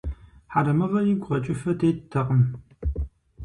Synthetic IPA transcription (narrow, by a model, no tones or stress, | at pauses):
ħaɾɐmɨʁɐjɪɡʷʁɐt͡ʃʼɪfɐtʰeːttʰɐqəm